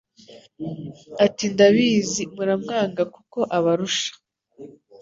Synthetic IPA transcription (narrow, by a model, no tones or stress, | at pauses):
atindaβiːzimuɾamŋaːŋɡakuko̞ʔaβaɾuʃḁ